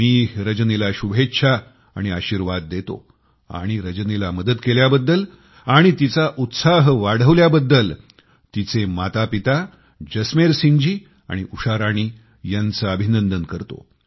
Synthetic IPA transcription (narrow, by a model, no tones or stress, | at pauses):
miːɾəd͡ʑnilaɕubʱetːɕʰa | a̰ɽ̃iaɕiɾʋad̪̚ːet̪o̰ | a̰ɽ̃iɾəd͡ʑnelaməd̪əd̪keljabəd̪ːəl | aɽ̃it̪it͡saʔut̪saɦʋaɽ̤əʋljabəd̪ːəl | t̪it͡semat̪apit̪a | d͡ʑəsmeɾsiɲd͡ʑiː | a̰ɽ̃iʔuʂaɾaɽ̃iː | jant͡saəbʱinənd̪ənkəɾt̪o̰